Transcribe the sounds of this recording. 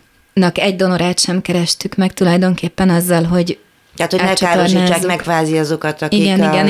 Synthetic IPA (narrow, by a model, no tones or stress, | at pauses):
nɒkɛɟ̚d̪o̞no̞ɾaːt̪ʃɛmkɛɾɛʃt̪ykmɛkt̪ulɒjd̪o̞ŋkeːpːɛnɒzːɒlɦo̞ɟ | t̪ɛat̪honɛt͡ʃaːɾorʃniɛt͡ʃːaːkmɛkʋaːziɒzo̞kɒt̪ɒkiiɡɛniɡɛn